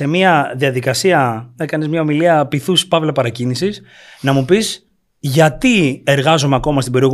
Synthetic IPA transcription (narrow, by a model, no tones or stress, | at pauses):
e̞miɐðiɐðikɐsiɐnekɐnizmɲɐo̞miliɐpiθuspɐvlɐpɐɾɐcinisis | nɐmupis | ʝɐt̪ie̞ɾɣɐzomeɐko̞mɐst̪ibe̞ɾio̞ɣ